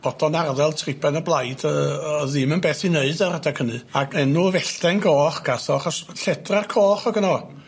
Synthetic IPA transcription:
b̥ɔd̥ɔnarðɛlˠtʰrɪpʰɛnəblˠajdəðɨmənbeːθineɨdaɾədakʰənɨaɡɛnuvɛɬd̥ɛnɡoːχɡ̥asɔaχɔsɬɛdrarkʰoːχɔɡənɔ

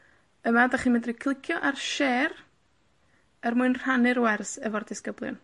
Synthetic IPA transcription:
əmadaχiːmɛdrikʰlˠɪkʰjɔʔarʃeːr | ərmuɨnr̥anɨɾwɛrsəvɔrdɪskəblˠjʊ̰n

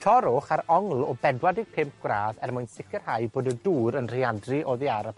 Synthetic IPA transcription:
tʰɔɾʊχaɾɔŋlˠɔbɛdwadɪɡ̥̚pʰɪmp̚ɡ̥wraːðɛrmʊɨnsɪkərhajboːdəduːɾənr̥eadriʔɔðiaɾab̚

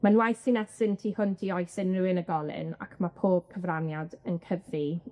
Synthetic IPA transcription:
manwajsinɛsɪntʰiːhʊntʰiɔjsɪnrɨɪnəɡɔlˠɪ̰na̰kʰmapʰoːb̥̚kʰəvranjadənkʰəvi

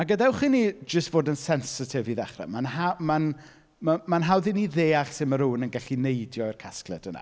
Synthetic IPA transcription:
aɡədaɛwχinid͡ʒəstv̥oːdənsɛnsɪtʰɪviðɛχrɛ̰manhaman | mamanɦawðiniðeːaɬsɪməɾuːnənɡɛɬinejdjɔɪrkʰasklˠɛ̰d̥əna̰

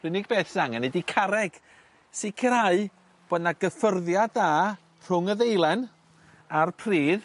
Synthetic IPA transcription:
l̥ɪnɪɡ̚beːθsaŋɛnedikʰaɾɛɡ̥ | sɪkʰəɾaɨ | b̥oːdnaɡəfərðjada | r̥ʊŋəðejlˠɛn | arpʰriːð

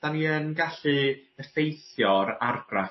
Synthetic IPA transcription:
d̥aniənɡaɬɨəfejθjɔɾarɡra

